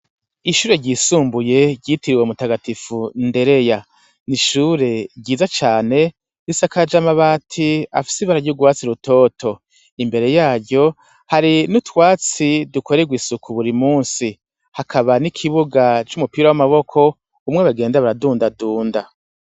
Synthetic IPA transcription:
iʃuːɾe̞ɟɟiːsuːmbuje̞ɟiːtiɾiwemutaɡatifunde̞ɾe̞ja | niʃuːɾe̞ɟɟiːzat͡ʃaːne̞ | disakad͡ʒamaβaːtʰia̰fi̥siβaɾaɟuɡwaːt͡siɾuto̞ːtʰo̞ | imbe̞ɾe̞jaːɾɟjo̞ | haɾinutwaːt͡sidukʰo̞ɾeɡwisukʰuβuɾimuːnsi | hakʰaβanikʰiβuɡat͡ʃumupiːɾawamaβo̞kʰo̞ | umŋeβaɡe̞ːndaβaɾaduːndaduːnda

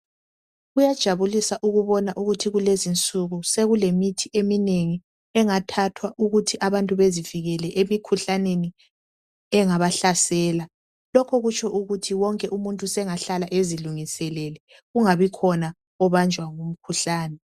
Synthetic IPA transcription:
ɣujad̥ʒ̥ʱaβulisaʔuɣuβɔnaʔuɣutʰiɣulezint͡sʼuɣuseɣulemitʰiemineŋi | ɛŋatʰatʰwaʔuɣutʰiʔaβantʼuβeziviɣɛlɛʔemikʰuɬaneni | ɛŋaβaɬasɛːla | lɔkʰɔɣut͡ʃʰʼɔʔuɣutʰiwɔŋkʼɛʔumuntʼusɛŋaɬalaʔeziluŋisɛlɛlɛ | ɣuŋaβikʰɔna | ɔβand͡ʒʱwaŋum̩kʰuɬaːnɛ

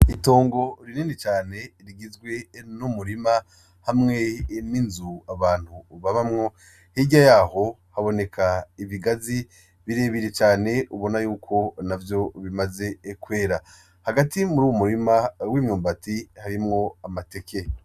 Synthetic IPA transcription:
ito̞ːŋɡo̞ɾininet͡ʃaːne̞ɾiɡizɡwe̞numuɾima | hamŋe̞ninzuaβaːn̥huβaβamŋo̞ | hiɟajaːho̞ | haβo̞ne̞kʰaiβiɡazi | βiɾe̞βiɾet͡ʃaːne̞uβo̞najuːkʰo̞navjo̞βimaze̞kwe̞ːɾa | haɡatimuɾuːwomuɾimawimɲuːmbatihaɾimŋo̞amate̞kʰe̞

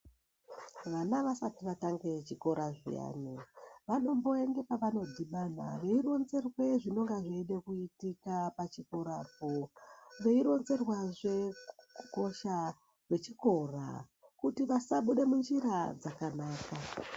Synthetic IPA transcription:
ʋanaʋasatiʋataŋɡe̞t͡ʃiko̞ɾaʐḭja̰niʋano̞mbo̞e̞ŋɡe̞paʋano̞dʱiɓana̰ʋe̞iro̞nze̞rwe̞ʐino̞ŋɡaʐeːnɗe̞kuitikapat͡ʃiko̞ɾaːp̚oʋe̞iɾo̞nze̞rwaʐe̞kuko̞ʃa | kwe̞t͡ʃiko̞ra̰ | kutiʋasaɓuɗe̞mund͡ʒiɾad͡zakanaːka

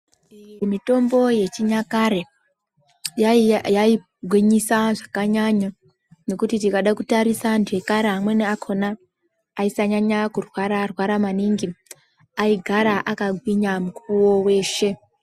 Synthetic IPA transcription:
mito̞mbo̞je̞t͡ʃiɲakaɾe̞ | jjai | ɡʱwiɲisaʐakaɲaɲa | ne̞kutitikaɗakutaɾisandiwe̞kaɾeɦamwe̞neakʰo̞naː | isaɲaɲakurwaɾarwaɾamaniŋɡi | aiɡʱaɾaʔakaɡʱwiɲamukuuwo̞we̞ːʃe̞

